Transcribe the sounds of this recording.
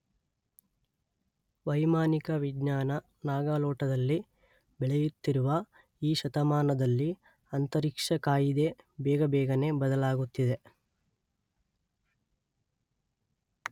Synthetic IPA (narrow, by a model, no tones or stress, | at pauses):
ʋɐjmaːnikɐʋiɡɲaːnɐ | naːɡaːlɔːʈɐd̪ɐlːi | bɛɭejut̪ːiɾuʋɐ | iːʃɐt̪ɐmaːnɐd̪ɐlːi | ɐnt̪ɐɾikʂɐkaːjid̪e̞bɛːɡɐbɛːɡɐne̞bɐd̪ɐlaːɡut̪ːid̪e̞